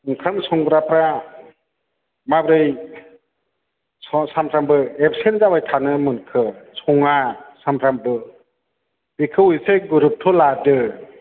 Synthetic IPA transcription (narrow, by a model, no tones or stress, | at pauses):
ɯŋkʰamsɔŋɡɾapɾa | mabɾɯj | sɔsampʰɾambɯep̚senzabajtʰanɯmɯnkʰɯsɔŋasampʰɾambɯ | bikʰɯwujseɡuɾup̚tʰɔladɯ